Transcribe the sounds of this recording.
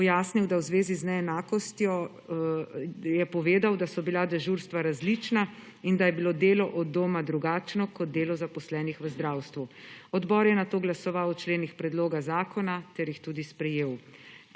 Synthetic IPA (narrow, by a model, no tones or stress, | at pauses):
pɔjaːsniwd̪awzʋeːziznɛɛnaːkɔst̪jɔ | jɛpɔʋeːd̪awd̪asɔbilad̪ɛʒuɾst̪ʋaɾazlit͡ʃna | ind̪ajɛbilod̪eːlɔʔɔd̪oːmad̪ɾuɡaːt͡ʃnɔkɔd̪̚d̪eːlɔzapɔslɛːnixʋəzd̪ɾawst̪ʋuɔd̪bɔɾjɛnat̪oːɡlasɔʋawt͡ʃleːnixpɾɛd̪loːɡazaːkʰɔnat̪ɛɾjixt̪ud̪ispɾɛjeːw